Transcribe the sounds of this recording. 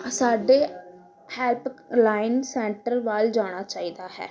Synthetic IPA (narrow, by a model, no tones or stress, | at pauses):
saːɖeː | hɛːlplaːɪnsɛ̃ːɳʈəɾʋald͡ʒaːɽ̃aːt͡ʃaːiːd̪aːhɛ̰ː